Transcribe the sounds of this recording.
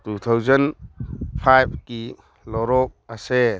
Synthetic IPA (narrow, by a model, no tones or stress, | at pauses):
tut̪ʰawzɐn | pʰajb̚ʰki | lɔɾɔk̚ɐse